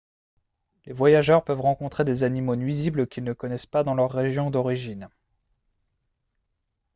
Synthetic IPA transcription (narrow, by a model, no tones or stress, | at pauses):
levwajaʒœʁpœvʁɑ̃kɔ̃t̪χed̪ezanimonɥizibləkʲilnəkɔnɛspad̪ɑ̃lœʁːeʒjɔ̃d̪ɔʁiʒin